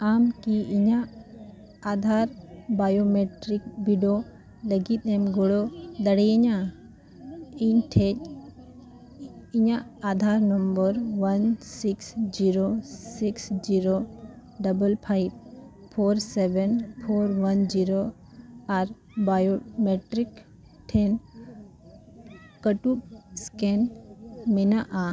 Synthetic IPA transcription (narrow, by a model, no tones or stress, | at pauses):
amkiiɲaː | d̪ʱaɾbajomɛʈɾik̚biɖo | ləɡit̪̚ˀɛmɡɔɽɔd̪əɽɛjɛɲa | iɲʈʰɛc̚ | iɲaːd̪ʱaɾnɔmbəɾwansiksd͡ʒiɾosiksd͡ʒiɾo | ɖɐbəlpʰajb̚ | pʰoːɾsebɛnpʰoːɾʋɐnd͡ʒiɾo | aɾ | bajomeʈɾik | ʈʰen | kəʈuskenmenaʔa